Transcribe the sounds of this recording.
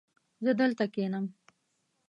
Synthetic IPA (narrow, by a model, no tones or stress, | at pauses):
zəd̪əlt̪akenəm